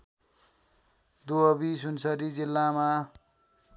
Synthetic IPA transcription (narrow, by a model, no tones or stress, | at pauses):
d̪uʌbisunsʌɾid͡zilːama